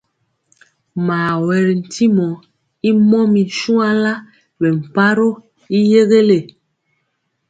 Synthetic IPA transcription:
maː˨wɛ˨ɾn̩˨tʰi˦mɔ˨˦ | i˦mɔ˦mi˨n˨ʃu˦a˦la˦ | bɛ˨m̩˨pa˦ɾo˦ | i˦je˦ɣe˦le˨

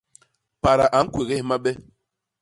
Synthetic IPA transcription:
pa˨ɾa˨ʔa˨˦kwe˨ɣe˦˨˦ma˦ɓɛ˦

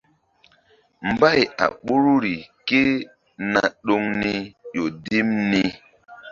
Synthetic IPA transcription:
m̩˨ba˦˨ja̰˨ɓo˦ɾu˦ɾi˨ke˦ | na˨ɗo˦ŋni˦jo˨di˦mni˦

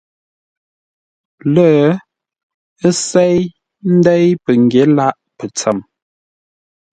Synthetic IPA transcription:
lə˦˨ | ə˦sɛ˦j | n̩˦dɛ˦jpə˨ŋ˨ɡje˨˦la˦ʔpə˨t͡sə˨m

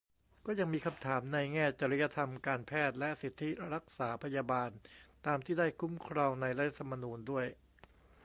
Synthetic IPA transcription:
kɔː˥˩ja˧ŋmiː˧kʰa˧mt̪ʰaː˩˦mna˧jŋɛː˥˩t͡ɕa˧ɾi˦ja˦˧˥t̪ʰa˧mkaː˧npʰɛː˥˩t̪̚lɛ˦˥ʔsi˨˩t̪ʰːi˦˥ɾa˦˥k̚saː˩˦pʰa˧jaː˧baː˧nt̪aː˧mt̪ʰiː˥˩da˥˩jkʰu˦˥mkʰɾɔː˧ŋna˧jɾa˦t̪ʰa˧t̪ʰa˧ma˧nuː˧ndu˥˩əj

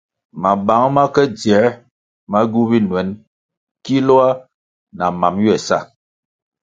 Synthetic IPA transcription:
ma˨ba˨˦ŋma˦kɛ˦d͡zɛ˨˦ | ma˦ɡu˦bi˦nwɛ˨˦n | ki˦lɔ˦a˦ | na˨ma˨mju˦ɛ˨sa̰˦˨

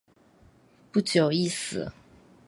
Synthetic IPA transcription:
pu˥t͡ɕjo˨˩ʊi˥˧sɨ̰˨˦

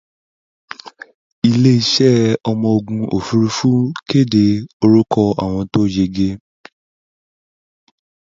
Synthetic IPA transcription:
i˧le˦i˧ʃɛ˦˨ɔ˧mɔ̃˧o˧ɡũ˧o̰˨fu˧˦ɾu˧fu˦ke˦˨de˧o˧ɾu˦kʰɔ˧a̰˨w̃ɔ̃˧to˦d͡ʒe˧ɡe˧

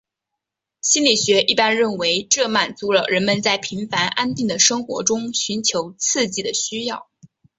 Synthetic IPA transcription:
ɕi˥nli˨˩ɕɥɛ˧˥ʔi˥˩pa˥nɻə˥˩nwe˧˥ɪʈ͡ʂɤ˥˩ma˨˩nt͡su˧˥lə˧ɻə˧˥nmə˧nt͡sa˥˩ɪpʰi˧˥ŋfa˧˥nʔa˥nt̪i˥˩ŋd̪ə˩ʂɤ˥ŋxwɔ̰˧˥ʈ͡ʂʊ˥ŋɕy˧˥nt͡ɕʰjo˧˥ʊt͡s̩ʰ˥˧t͡ɕi˥˩d̪ə˩ɕy˥jɑ˥˩ʊ

